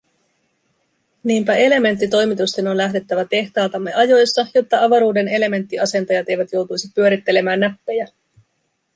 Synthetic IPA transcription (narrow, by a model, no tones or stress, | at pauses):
niːmpæe̞le̞me̞nt̪ːit̪o̞jmit̪ust̪e̞no̞nlæɦde̞t̪ːæʋæt̪e̞ht̪ɑːlt̪ɑmːe̞ʔɑjo̞jsːɑjo̞t̪ːɑɑʋɑɾuːde̞ne̞le̞me̞nt̪ːiɑse̞nt̪ɑjɑt̪e̞jʋæt̪jo̞wt̪ujsipyø̞ɾit̪ːe̞le̞mæːnːæpːe̞jæ